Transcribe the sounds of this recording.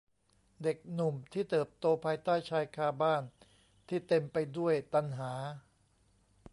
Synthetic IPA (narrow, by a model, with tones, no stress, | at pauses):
de˨˩k̚nu˨˩mt̪ʰiː˥˩t̪ɤː˨˩p̚t̪oː˧pʰaː˧jt̪aː˥˩jt͡ɕʰaː˧jkʰaː˧baː˥˩n | t̪ʰiː˥˩t̪e˧mpa˧jdu˥˩əjt̪a˧nɦaː˩˦